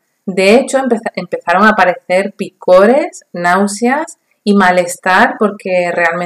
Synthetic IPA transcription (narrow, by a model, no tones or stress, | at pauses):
d̪e̞et͡ʃopeempe̞θaɾo̞ŋapaɾe̞θe̞ɾpiko̞ɾe̞snawsjas | imale̞st̪aɾpo̞ɾke̞re̞alme